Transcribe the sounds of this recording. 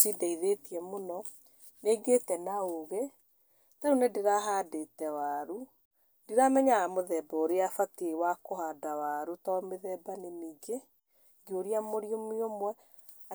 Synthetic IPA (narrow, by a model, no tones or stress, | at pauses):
sidaiðetiɛmonɔ | neːɡetɛnaoɣe | taɾunedeɾaɦaːdetɛwaɾu | diɾamɛɲaamoðɛːbɔoɾeafatewakohadawaɾutɔmeðɛbanemiːɡe | ɡioɾiamoɾjomiomwɛ | a